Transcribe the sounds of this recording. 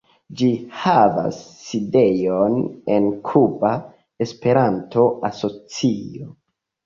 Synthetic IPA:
d͡ʒihava̰sːide̞jone̞nkʰuba | e̞spe̞ɾanto̞aso̞t͡sio̞

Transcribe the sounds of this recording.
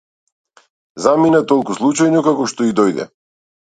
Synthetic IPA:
zaminat̪ɔlˠkuslˠut͡ʃajnɔkakɔʃt̪ɔid̪ɔjd̪ɛ̰

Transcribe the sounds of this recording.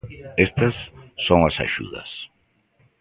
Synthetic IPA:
est̪ɐsːõŋasa̰ʃṵðɐ̰s

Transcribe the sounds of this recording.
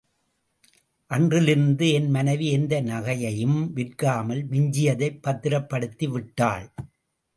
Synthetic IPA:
ʔɐndrɪlɪɾɯnd̪ɯɛnmɐnɐʋiɛnd̪ɐnɐɣɐjɐjɯmʋɪrkaːmɐlmɪɲd͡ʒɪjɐðɐɪpːɐt̪ːɪɾɐpːɐɽɯt̪ːiʋɪʈːaːɭ

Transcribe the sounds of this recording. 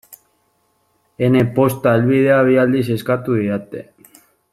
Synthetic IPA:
enepo̞st̪aelβið̞eaβ̞iald̪ise̞skat̪uðiat̪ḛ

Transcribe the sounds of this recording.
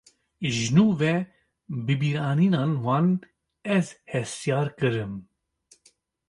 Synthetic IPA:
ʒnuːvɛ | bɨbiːɾɑːniːnɑːnwɑːn | ɛzhɛst̪jɑːɾkɨɾɨm

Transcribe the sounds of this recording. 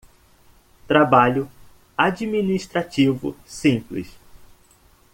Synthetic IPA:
t̪ɾabaʎʊ | ad͡ʒiminist̪ɾat͡ʃivʊ̰sĩplɪ̰s

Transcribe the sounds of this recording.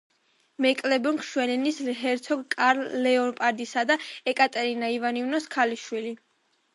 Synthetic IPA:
mɛkʼlɛbɔŋkʰʃwɛlɛnisɦɛɾt̪sʰɔɡkʼaɾlɛɔnpʼaɾd̪isad̪aɛkʼat̪ʼɛɾinaivanivnɔskʰaliʃwili

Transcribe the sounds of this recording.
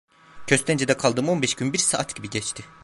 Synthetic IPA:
cʰø̞st̪ʰɛnd͡ʒed̪ɛkʰalˠd̪ɯmo̞nbɛʃɟynbiɾsaːʔat̪ɟibiɟɛt͡ʃt̪ʰɪ

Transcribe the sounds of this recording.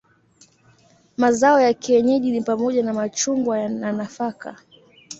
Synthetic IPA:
mazaɔjakiɛɲɛʄinipamɔʄanamat͡ʃuŋɡwajnanafaka̰

